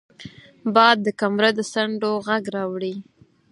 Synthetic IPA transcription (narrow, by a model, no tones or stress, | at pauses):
bɑd̪̚ːəkamɾəd̪əsaɳɖoɣaɡɾɑwɽi